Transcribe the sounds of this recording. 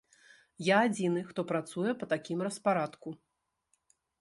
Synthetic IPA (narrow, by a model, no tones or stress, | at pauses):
jaːd͡zʲinɨxt̪ɔpɾat̪sujɛpɐt̪akʲimrɐspaɾat̪ku